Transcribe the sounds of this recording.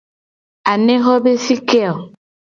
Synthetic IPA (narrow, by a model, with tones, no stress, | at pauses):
a˨ne˦ɦɔ˦be˦si˦kɛ˦ɔ˨